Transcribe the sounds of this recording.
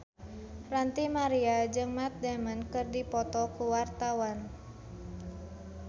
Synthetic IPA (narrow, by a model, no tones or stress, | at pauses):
rant̪imaɾiad͡ʒɨŋmat̪̚damənkɨrdipɔt̪ɔkuwart̪awan